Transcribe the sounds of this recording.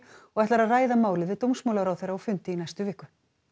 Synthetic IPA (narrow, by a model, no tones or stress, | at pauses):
ɔɣɛht̪laɾaðraːjðamaːwlɪðvɪðt̪owmsmowlaɾawθejɾːaɔfʏnt̪ɪinajst̪ʏvɪːkːʏ